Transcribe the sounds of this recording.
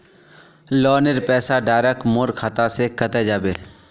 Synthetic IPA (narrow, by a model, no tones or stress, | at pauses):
lɔːnɪɾpɛːsaɖaːɾəkmʊɾkʰat̪asekət̪ed͡ʒaːbeː